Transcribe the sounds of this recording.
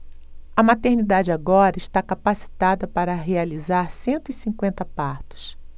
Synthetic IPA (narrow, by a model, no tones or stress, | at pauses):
ɐmat̪eɾnid̪ad͡ʒɪaɡɔɾɐiʃt̪akapasi̥t̪ad̪ɐpaɾɐɦealizaɾsẽnt̪ʊisĩŋkwẽnt̪ɐpaɾt̪ʊ̥s